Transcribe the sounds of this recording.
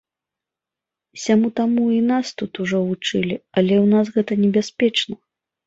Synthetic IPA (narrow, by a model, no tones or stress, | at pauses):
sʲamut̪amuinast̪ut̪uʐɔvut͡ʂɨlʲiɐlʲɛwnasɣɛt̪ɐnʲɛbʲasʲpʲɛt͡ʂnɐ